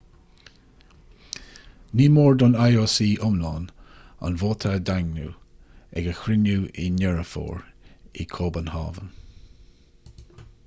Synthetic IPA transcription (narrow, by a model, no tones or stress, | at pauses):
niːmoːɹd̪ɔnajoːsiːʔʊmlɑːn | a̰nvoːt̪ʰad̪aŋnṵː | ɛɡəxɾɪnuːḭnɛɹəfo̰ːɹḭkʰoːbənhɑ̰ːvən